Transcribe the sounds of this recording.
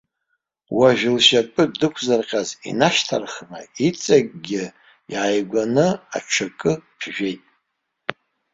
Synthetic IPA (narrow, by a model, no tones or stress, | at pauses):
waʒᶣlʃapʼɨdɨkʷʰzarqʲʼazḭnaʃtʰarχma̰it͡sʼak̚ʼɡʲɪ | iʕajɡʷanɨa̰ʈ͡ʂʰakʼɨpʰʒᶣe̞jtʼ